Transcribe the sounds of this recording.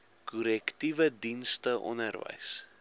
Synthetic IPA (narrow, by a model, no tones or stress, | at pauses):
kuɾɛktivədinstəʔɔ̰nərvə̰js